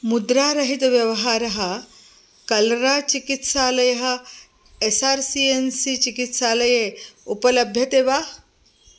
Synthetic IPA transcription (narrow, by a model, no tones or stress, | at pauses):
mud̪ɾaːɾɐɦit̪ɐʋjɐʋɐɦaːɾɐɦɐ | kɐlɾaːt͡ʃikit̪ʃaːlɐjɐɦɐ̆ | esaːɾsiːensit͡ʃikit̪ʃaːlɐjeːupɐlɐbʱjɐt̪eːʋaː